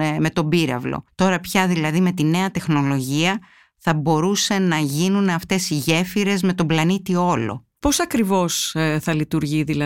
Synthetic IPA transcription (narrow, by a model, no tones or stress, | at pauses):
me̞t̪o̞biɾɐ̰vlo̞̰t̪o̞ɾɐpçɐðilɐðime̞t̪ine̞ɐt̪e̞xno̞lo̞ʝiɐ | θɐbo̞ɾuse̞nɐʝinuneɐft̪e̞siʝe̞fiɾe̞zme̞t̪o̞mblɐnit̪io̞lo̞̰ | po̞sɐkɾivo̞sθɐlit̪uɾʝiðilɐ